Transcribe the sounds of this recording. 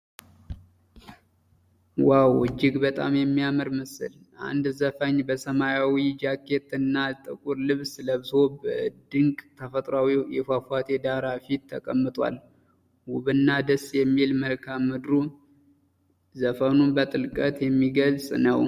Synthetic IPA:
wawɨd͡ʒːɪɡbət̪ʼa̰mjɛmːijamɨɾmɨsɨ̰l | ʔa̰nd̪zəfəɲːbəsəmajawid͡ʒakʰːe̞t̪ɨnːat̪ʼɨkʼuɾlɨβsləβɨzo̞bəd̪ɨŋkʼt̪ʰəfət̪ʼɾawijɛfafwat̪ʰed̪aɾafit̪ʰːəkʼəmːɨt̪ʼwa̰l | wʊβɨnːad̪əsjɛmːilməlkʰamːɨd̪ɾu | zəfənunbət̪ʼɨlkʼət̪jɛmːiɡəlsʼnəw

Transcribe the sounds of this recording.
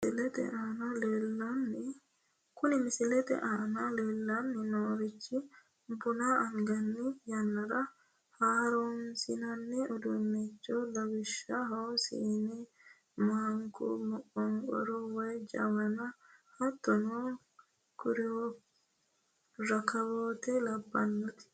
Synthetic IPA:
sɪlɛt̪ɛ̰ʔaːnaleːlːɐnːɪ | kʊnɪmɪsɪlɛt̪ɛ̰ʔaːnɐleːlːɐnːɪnoːɾɪt͡ʃːɪ | bʊnaɐŋɡɐnːɪjɐnːɐɾɐ | haːɾomsɪnɐnːɪɔd̪unːɛt͡ʃːolɐwɪʃːɐɦɐwsḭːnɛ | maŋkɔ̰mʊʔɔŋɡʼɔ̰ɾɔwɔjd͡ʒɐ̰wɐnɐhɐt̪ːɔno | kʊɾɪo | ɾɐkɐwoːt̪ɛlɐbːɐnːɔt̪ɪ̥

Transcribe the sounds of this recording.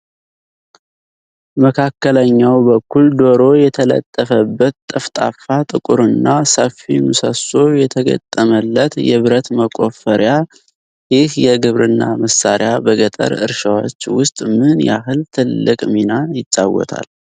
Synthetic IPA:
məkʰakːələɲːawbəkːuld̪o̞ɾo̞jɛt̪ʰələ̰t̪ʼːəfəbːət̪t̪ʼːɨft̪ʼa̰fat̪ʼɨkʼuɾɨnːasəfimɨsəso̞jɛt̪ʰəɡə̰t̪ʼːəməlːət̪jɛβɨɾət̪məkʼo̞fəɾja | jɪhjɛɡɨβɾɨnːaməsːaɾɪjabəɡət̪ʼə̰ɾɨ̰ɾʃawo̰t͡ʃːwʊst̪ʼmɨnja̰ɦɨlt̪ʰɨlːɨkʼminajɪt̪ʼːawːɔ̰t̪ʰa̰l

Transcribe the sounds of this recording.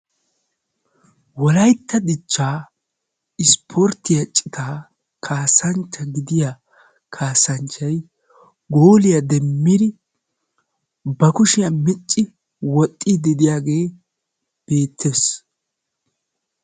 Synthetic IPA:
wɔlɐjt̪ʰːɐd̪ɪt͡ʃːaː | ɪspʰɔɾt̪ːɪjɐt͡ʃʼːɪt̪ʰaː | kʰaːsɐnt͡ʃːɐɡɪd̪ɪja | kʰaːsɐnt͡ʃːɐj | ɡoːlɪjɐd̪ɛmːɪd̪ɪ | bɐkʊʃɪjɐmɪt͡ʃʼːɪ | wɔt̪ʼːɪd̪ɛd̪ɪjaːɡe̞ː | b̥e̞ːt̪ʰːes

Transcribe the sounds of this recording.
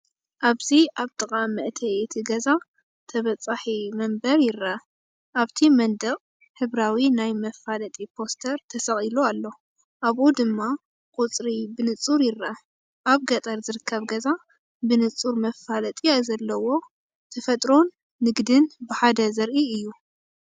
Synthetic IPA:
ʔaβziʔaβt̪ʼɨqʼamɨʔt̪ʰɐjt̪ʰiɡɐza | t̪ʰɐβɐt͡sʼːaħimɐmbɐɾjɪɾɐ | ʔaβt̪ʰimɐnd̪ɐqʼ | ħɨβɾawinajmɐfalɐt̪ʼipʰo̞st̪ʰɐɾt̪ʰɐsɐχʼiloalːo | ʔaβʔud̪ɨmːa | qʼut͡sʼɾibɨnɨt͡sʼuɾjɪɾɐ | ʔaβɡɐt̪ʼɐɾzɨɾɨkʰːɐβɡɐza | bɨnɨt͡sʼuɾmɐfːalɐt̪ʼiajzɐlːɐwo̞ | t̪ʰɐfɐt̪ʼɾo̞nː | ɨɡd̪ɨnbɨħad̪ɐzɐɾʔiɨjːu

